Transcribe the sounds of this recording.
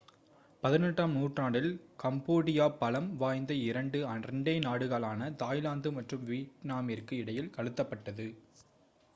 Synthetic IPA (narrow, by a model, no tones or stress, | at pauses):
pɐðɪnɛʈːaːmnuːʈraːɽɪlkɐmboːɽɪjaːpɐlɐmʋaːjnd̪ɐɪɾɐɳɖɯɐrɐɳɖɐɪnaːɽɯɣɐlaːnɐt̪aːjlaːnd̪ɯmɐʈrɯmʋiːʈnaːmɪrkɯɪɽɐjɪlkɐɻɯt̪ːɐpːɐʈːɐðɯ